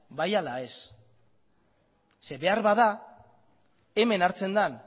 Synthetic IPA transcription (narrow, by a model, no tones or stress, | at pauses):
bajalae̞s | se̞βe̞aɾβaða | eme̞naɾt͡se̞nd̪an